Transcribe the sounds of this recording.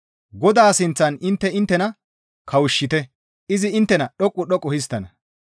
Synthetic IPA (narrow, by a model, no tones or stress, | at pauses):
ɡɔd̪aːsɪnt͡sːɐnɪnt̪ːɛɪnt̪ːɛnɐ | kʰɐwʊʃːɪt̪ɛ | ɪzɪɪnt̪ːɛnɐɗɔkʼːʊɗɔkʼːɔhɪst̪ːɐnɐ